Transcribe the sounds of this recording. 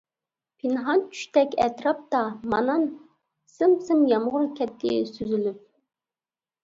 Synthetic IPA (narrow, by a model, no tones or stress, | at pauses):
pʰɪnɦɑnt͡ʃʰy̥ʃt̪ʰɛkʲɛ̰t̪ɾɑp̚t̪ɑmɑnɑn | sɪmsɪmjɑmʁʊɾkʲʰɛt̪ʰːɪsyzylyp̚